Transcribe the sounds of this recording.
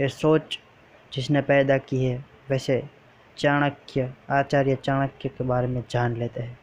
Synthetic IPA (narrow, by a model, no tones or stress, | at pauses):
esoːt͡ʃ | d͡ʒɪsnepɛːd̪akiɦɛ | ʋɛːse | t͡ʃaːɽ̃əkjəaːt͡ʃaːɾjət͡ʃaːɽ̃əkjəkebaːɾemẽd͡ʒaːnleːt̪eɦɛ̃ː